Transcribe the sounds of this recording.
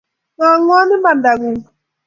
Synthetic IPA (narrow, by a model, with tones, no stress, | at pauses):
ŋa˨ŋʷ˦a˦nɪ˦ma˨n̩˨da˨ɡʊ˨˦